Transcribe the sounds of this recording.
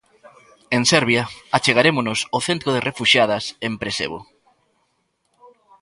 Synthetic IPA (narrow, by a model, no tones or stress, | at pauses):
ensɛɾβjaat͡ʃeɣaɾemonosoθent̪ɾoðɪrefuʃjað̞ɐsempɾesḛβo̰